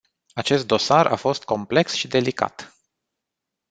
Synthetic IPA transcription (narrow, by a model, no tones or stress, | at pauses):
at͡ʃe̞st̪̚d̪o̞sarʔa̰fo̞st̪̚ko̞mple̞ksʃid̪e̞lika̰t̪